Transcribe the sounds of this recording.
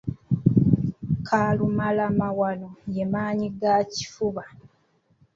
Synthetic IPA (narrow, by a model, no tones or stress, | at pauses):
kʰaːlumalamawanojemaːɲiɡaci̥fuβa